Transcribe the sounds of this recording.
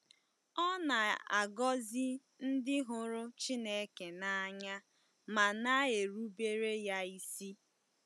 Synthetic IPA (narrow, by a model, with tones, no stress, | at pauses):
ɔ˦na˨a̰˨ɡɔ˦zi˦ | n̩˦dɪ˦ɦʊ˦ɾʊ˦t͡ʃi˦ne˦ke˨na˦ɲa˦ | ma˨na˦e˨ɾu˦be˦ɾe˦ja˦i˦si˦